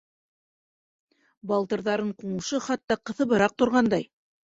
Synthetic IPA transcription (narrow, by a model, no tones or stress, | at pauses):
bɑlˠt̪ɤ̆ɾðɑɾɤɴquɴɤ̆ʃɤχɑt̪ːɑqɤ̆θɤ̆βɤ̆ɾɑq̚t̪ŏɾʁɑnd̪ɑj